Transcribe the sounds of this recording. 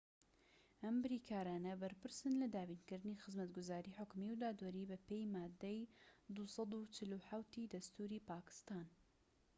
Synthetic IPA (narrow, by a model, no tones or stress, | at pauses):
ʔɐmbɨɾikʰaːɾaːnɐbɐɾpɨɾsɨnlɐd̪aːbiːnkɨɾd̪ɨnixɨzmɐt̪ɡʊzaːɾiːħʊkmiwd̪aːd̪wɐɾibɐpejmaːd̪ːejd̪usɑd̪ut͡ʃɪluħawt̪id̪ɐst̪uɾiːpaːkɪ̥st̪aːn